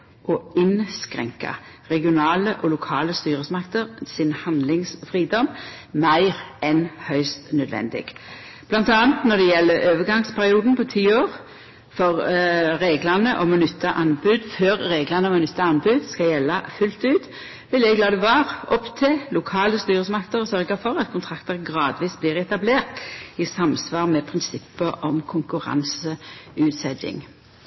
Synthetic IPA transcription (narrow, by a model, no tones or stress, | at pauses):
ʔɔɪnskɾɛ̰ŋkɑ̰ | ʁɛɡɪʊnɑːləʔɔlʊkʰɑːləst̪yːʁəsmɑkt̪əʁsɪnhɑnd̪lɪŋsfʁiːd̪ɔm | mæɪʁɛnhœʏst̪nœd̪ʋɛ̰nd̪ɪ̰ɡ̥ | b̥lɑnt̪ɑːnt̪nɔd̪ɛjɛlːəøːʋəɡɑŋspʰæʁɪuːd̪n̩pʰɔt̪ʰiːoːʁ | fɔʁɾeːɡlɑnəʔɔmɔnʏt̪ʰːɑʔɑnbʉd̪føːʁːeːɡlɑnəɔmnʏt̪ːɑɑnbʉd̪skɑjɛlːɑfʉlt̪ʉːt̪ | ʋɪlɛɡlɑːd̪ɛʋɑːʁɔpt̪ʰeːlʊkʰɑːləst̪yːʁəsmɑkt̪əɾɔsœʁɡɑfɔʁɑt̪kʰʊnt̪ʰʁɑkt̪əʁɡʁɑːd̪ʋiːsbliːʁɛt̪ɑbleːʁt̪ɪsɑmsʋɑːʁmɛpʰʁɪnsɪpːəʔɔmkʰʊŋkʉʁɑ̰nsəʉːt̪sɛd̪ɪ̰ŋ